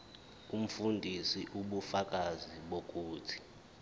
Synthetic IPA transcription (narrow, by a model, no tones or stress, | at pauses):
um̩fundʱisiʔuɓufak̬ʼaziɓok̬ʼuːtʰi̥